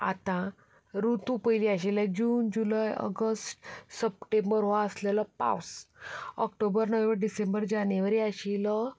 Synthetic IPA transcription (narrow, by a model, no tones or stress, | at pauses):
a̰t̪ã | ɾut̪ũpəjliaɕilad͡ʑuːnd͡ʑulajə̰ɡəsʈsəp̚ʈẽmbəɾɦoaəslələpa̰wsɔkʈobəɾnəʋẽʋbəɾɖisẽmbəɾd͡ʑaneʋəɾiaɕilə